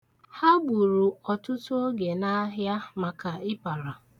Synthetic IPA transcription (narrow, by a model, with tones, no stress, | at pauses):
ha˦ɡ͡bu˨ɾu˨ɔ˨tʊ˦to˦ɡe˨na˦ɦja˦ma˨ka˨ɪ˦pa˨ɾa˨